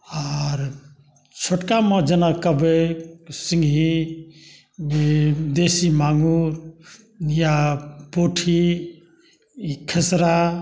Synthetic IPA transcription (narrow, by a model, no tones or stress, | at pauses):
ɔɾ | t͡ʃʰoʈkamə̃d͡ʒənakəbesiŋɡʱi | bd̪esimaŋuɾ | japoʈʰi | kʰəsɾa